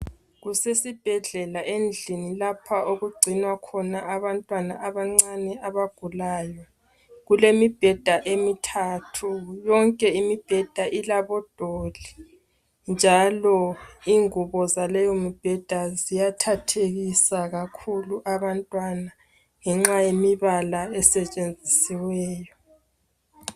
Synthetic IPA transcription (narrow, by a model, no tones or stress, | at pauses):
ɣusesib̥ʱɛɮɛlaʔend͡ɮʱinilapʰaoɣuɡ͡ǀʱinwakʰɔnaaβantʼwanaʔaβaŋ͡ǀanɛaβaɡ̥ʱulaːjɔ | ɣulemib̥ʱɛd̥ʱaʔemitʰaːtʰujɔŋkʼɛimib̥ʱɛd̥ʱaʔilaβɔd̥ʱoli | nd͡ʒʱalɔiŋuβɔzalɛjomib̥ʱɛd̥ʱazijatʰatʰeɣisaɣakʰuluʔaβantʼwana | ŋɛŋ͡ǁajemiβalaɛsɛt͡ʃʼend͡zʱisiwɛːjɔ